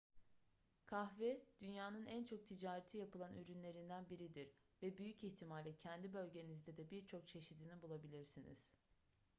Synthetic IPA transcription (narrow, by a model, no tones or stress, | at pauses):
kʰaxvɛd̪̥ynjaːnɯnænt͡ʃʰo̞k̚t̪ʰid͡ʒaːɾet̪ʰijapɯlˠanʔyɾynlʲe̞ɾind̪ænbiɾid̪iɾ | vɛbyjyciçt̪ʰimalʲɛcʰɛnd̪ibø̞lʲɟe̞nizd̪ɛd̪ɛbiɾt͡ʃʰo̞k̚t͡ʃʰe̞ʃid̪inibulˠabilʲiɾsinḭz̥